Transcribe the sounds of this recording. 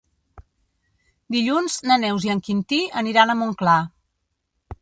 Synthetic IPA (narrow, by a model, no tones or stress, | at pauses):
d̪iʎunznənɛwziəŋkint̪iəniɾanəmuŋkla